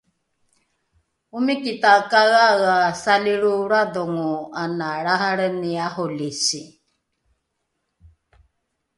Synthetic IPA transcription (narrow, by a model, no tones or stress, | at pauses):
umikit̪akaɣaɣasaliɺuɾad̪oŋuanaɺaɦaɾəniaholisi